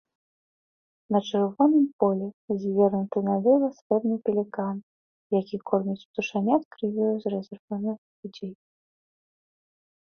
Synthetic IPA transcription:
nɐt͡ʂɨrvɔnɨmpɔlʲɛzʲvʲɛɾnut̪ɨnalʲɛvˠɐsʲvɛd̪nɨpʲɛlʲikan | jakʲikʰɔrnʲut͡sʲt̪uʂanʲat̪kɾɨvʲɔjuzrɛzɛrvanɨ | lʲud͡zʲej

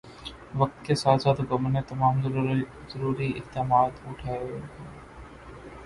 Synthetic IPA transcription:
ʋɐk̚t̪kesaːsaːt̪oɡɐmənːẽt̪ɐmaːm | zəɾuːɾiɪht̪eːmaːt̪ʊʈʰaːeokeː

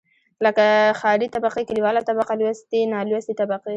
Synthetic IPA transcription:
ləkaxɑɾit̪abaqekəliwɑlat̪abaqalwast̪enɑlwast̪it̪abaqe

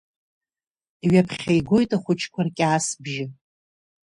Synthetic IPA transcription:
iɥapʰχʲajɡʷo̞jtʼaχʷʊt͡ʃʰkʷʰarkʲʼaːsbʒɪ

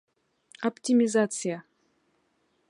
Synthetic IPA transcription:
ɐptʲimʲɪzat̪sɨja

